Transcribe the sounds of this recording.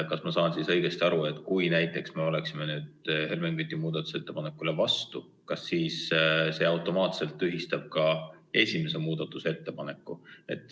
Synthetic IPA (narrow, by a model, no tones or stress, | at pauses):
kɑsmɑsɑːnsisɤ̞jɡ̥e̞st̪iɑɾue̞t̪ːˑkujnæjt̪ːˑe̞ksme̞o̞le̞ksimenyːd̪̥he̞lmeŋɡyt̪ːˑimuːd̪̥ɑt̪ːˑu̥se̞t̪ːe̞pɑnekːˑulevɑst̪u | kɑsːiːsse̞ːɑwt̪ˑo̞mɑːt̪se̞lt̪ːyɦist̪ɑb̥̚kɑe̞sʲime̞se̞muːd̪ɑt̪ːˑuse̞t̪ːe̞pɑne̞kːˑue̞̰t̪ːˑ